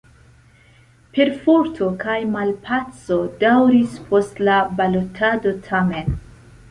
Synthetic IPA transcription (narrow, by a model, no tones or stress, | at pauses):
pe̞ɾfoɾtʰo̞kajmalpʰat͡so̞dawɾispʰo̞stlabalo̞tʰado̞tʰame̞n